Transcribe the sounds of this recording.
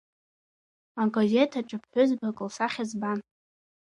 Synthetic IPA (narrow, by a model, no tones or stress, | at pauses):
aɡozetʰaʈ͡ʂʼɨpʰħʷʊzbakʼɨlsaχʲazban